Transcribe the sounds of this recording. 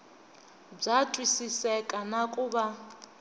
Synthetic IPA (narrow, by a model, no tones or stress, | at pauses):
b͡ʐatʼwisisɛkʼanakʼuːβa